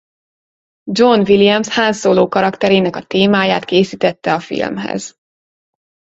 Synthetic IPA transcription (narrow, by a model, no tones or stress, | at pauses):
d͡ʒo̞nvilijɛmshaːnsoːloːkɒɾɒkt̪ɛɾeːnɛkɒt̪eːmaːjaːt̪keːsiːt̪ɛt̪ːɛɒfḭlmɦɛ̰z̥